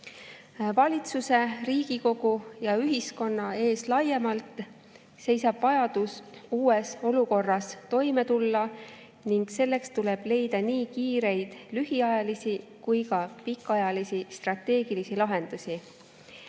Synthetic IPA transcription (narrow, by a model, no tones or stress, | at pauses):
vɑlʲit̪suse̞riːɡ̥iko̞ɡ̥ujɑyɦisko̞nːɑe̞ːslɑje̞mɑlt̪ˑ | se̞jsɑb̥vɑjɑd̪̥usuːe̞so̞luko̞rːɑst̪o̞jme̞t̪ulːɑ | niŋɡ̥se̞lːe̞kst̪ule̞b̥le̞jd̪̥ɑniːkiːɾe̞jd̪̥lyɦiɑjɑlisikujkɑpikːˑɑjɑlisist̪rɑt̪ːe̞ːɡ̥ilisilɑɦe̞nd̪̥usʲi